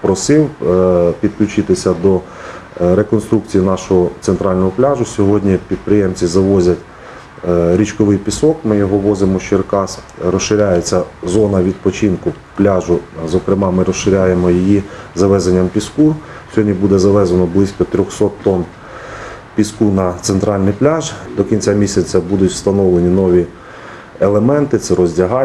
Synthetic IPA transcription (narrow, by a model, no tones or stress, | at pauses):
pɾɔsɪwpʲid̪klʲʊt͡ʃɪt̪ɪsʲɐd̪ɔ | ɾe̞kɔnst̪ɾuk̚t͡sʲijinɑʃɔɦɔt̪sent̪ɾɑlʲnɔɦɔplʲɑʒʊsʲɔɦɔdʲnʲipʲid̪̚pɾɪjemt͡sʲizɐʋɔzʲɐtʲ | ɾʲit͡ʃkɔʋɪjpʲisɔkmɪjɔɦɔʋɔzemɔʃt͡ʃerkɑsɾɔsʃɪɾʲajet͡sʲːɐzɔnɐʋʲid̪̚pɔt͡ʃinkʊ | plʲɑʒʊzɔkɾɪmɑmɪɾɔsʃɪɾʲajemɔjijizɐʋɛzenʲːɐmpʲisku | sʲɦɔdʲnʲibud̪ɛzɐʋɛzɐnɔblˠɪsʲkɔt̪ɾʲɔxsɔt̪ːɔn | pʲiskunɐt̪sent̪ɾɑlʲnɪjplʲɑʒd̪ɔkʲinʲt͡sʲamʲisʲɐt͡sʲɐbud̪ʊtʲwst̪ɐnɔwlˠenʲinɔʋʲi | elˠemɛnt̪ɪt̪sɛɾɔzʲdʲɐɦɑ